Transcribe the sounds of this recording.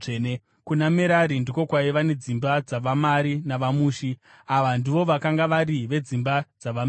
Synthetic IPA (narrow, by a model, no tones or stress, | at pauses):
ʐne | kunameɾaɾindiko̞kwaiʋane̞d͡zimbad͡zaʋamaɾinaʋamuːʃi | aʋandiʋo̞ʋakaŋɡaʋaɾiʋe̞d͡zimbad͡zaʋama